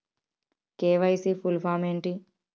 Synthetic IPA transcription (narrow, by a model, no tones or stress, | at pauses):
keːʋɐjsipulpaːmeːɳʈi